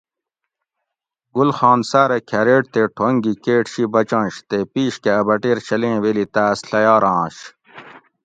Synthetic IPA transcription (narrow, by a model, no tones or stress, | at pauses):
ɡulxɑ̃ːnsaːɾekʰɐɾeːʈt̪eʈʰoŋɡikeːʈɕibɐt͡ɕɑ̃ːɕt̪epiːɕkeɐbɐʈeːɾɕɐlẽːwelit̪aːsɬɐjɑːɾɑ̃ːɕ